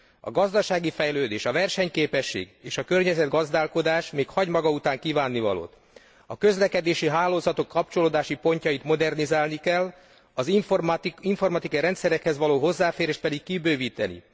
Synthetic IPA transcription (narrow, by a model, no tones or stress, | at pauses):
ɒ̰ɡɒzd̪ɒʃaːɡifɛjløːd̪eːʃɒvɛrʃɛɲkeːpɛʃːḛːɡeːʃɒkørɲɛzɛd̪ɡɒzd̪aːlko̞d̪aːʃmeːkhɒɟmɒɡɒut̪aːŋkiːvaːnːivɒ̰lo̰ːt̪ | ɒkø̞zlɛkɛd̪eːʃiɦaːlːoːzɒt̪o̞kːɒp̚t͡ʃo̞loːd̪aːʃipo̞ɲcɒjit̪mo̞d̪ɛrnizaːlnikɛlː | ɒz | iɱfo̞rmɒt̪ikɒiɾɛnt̪sɛɾɛkhɛzʋɒloːɦo̞zːaːfeːɾeːʃt̪̚pɛd̪ikkibøːviːt̪ɛ̰nḭ